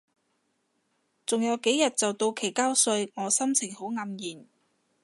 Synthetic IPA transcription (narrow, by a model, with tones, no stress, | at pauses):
t͡sʊ˨ŋjɐ˨˧wke˨˥jɐ˨t̚t͡sɐ˨wt̪o˧wkʰe˨˩jkaː˥wsɵ˧ɥŋɔː˨˧sɐ˥mt͡sʰɪ˨˩ŋho˨˥wŋɐ˧mjiː˨˩n